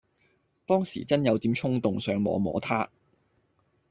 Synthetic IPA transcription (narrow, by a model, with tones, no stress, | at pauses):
t̪ɔː˥ŋsḭː˨˩t͡sɐ˥njɐ˨˧wt̪iː˨˧mt͡ʃʰʊ˥ŋt̪ʊ˨ŋsœː˨˧ŋmɔ̰ː˨˧mɔ̰ː˨˥t̪ʰaː˥